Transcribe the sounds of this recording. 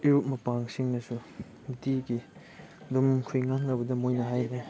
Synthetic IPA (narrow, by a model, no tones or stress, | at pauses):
iɾup̚mɐpaŋsiŋnɐsu | mitiɡi | dumkʰujŋak̚nɐbɐdɐmojnɐɦajʰɾe